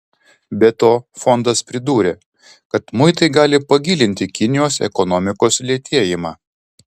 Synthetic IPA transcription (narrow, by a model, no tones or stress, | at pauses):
bʲɛt̪oːfɔnd̪ɐspʲɾʲɪd̪uːɾʲeː | kɐt̪mʊɪt̪ɐɪɡɑːlʲɪpɐɡʲilʲɪnʲt̪ʲɪkʲɪnʲɪjoːsɛ̰kɔnɔmʲɪkoːslʲiɛt̪ʲiɛjɪmɑː